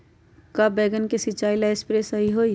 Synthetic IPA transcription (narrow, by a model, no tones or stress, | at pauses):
kɐbeːɡənkesit͡ʃaːilaespɾesəɦiɦoːi